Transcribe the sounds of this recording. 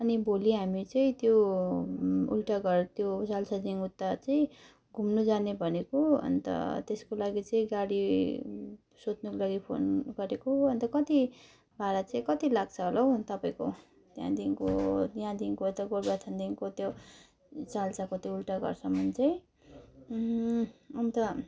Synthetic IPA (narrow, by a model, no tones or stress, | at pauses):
ʌniboliɦamit͡sʌĩt̪jo | ṵlʈaɡʌrt̪jot͡salt͡sad̪inut̪ːat͡sʌĩ | ɡʱumnud͡zanebʱʌnekoʌ̰nt̪ʌ̰t̪eskolaɡit͡sʌĩɡaɽi | sot̪nʌkolaɡipʰo̰nɡʌɾekoʌnt̪ʌkʌt̪i | bʱaɾat͡sʌĩkʌt̪ilaɡt͡sʰʌɦolowt̪ʌpaĩko̰ | t̪jã̰d̪inko̰jãd̪inkoʌt̪ʌɡoɽbat̪ʰand̪inkot̪jo | t͡salt͡sakot̪joulʈaɡʌ̰rsʰʌmʌnt͡saĩ | ʌmt̪ʌ